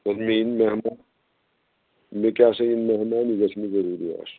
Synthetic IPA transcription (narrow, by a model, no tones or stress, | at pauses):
ɐsmiinmeɦmaː | mekʲaːsɐinmeɦmaːnizɐsmizɐɾuːɾia̰ːs